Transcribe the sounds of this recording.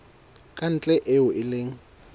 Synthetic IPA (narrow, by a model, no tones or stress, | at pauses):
kʼan̩t͡ɬʼɛʔɪʊʔɪleːŋ̩